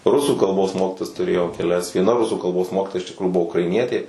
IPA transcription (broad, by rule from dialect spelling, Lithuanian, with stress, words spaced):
ˈrʊsuː kɐlˠˈboːs ˈmoːkʲɪtoːjɛs tʊˈrʲeːjɛʊ kʲɛˈlʲɛs ʋʲiɛˈnɐ ˈrʊsuː kɐlˠˈboːs ˈmoːkʲiːtoːjɛ ɪʃ tʲɪkˈruːjʊ ˈbʊʋoː ʊkrɐɪˈnʲiɛtʲeː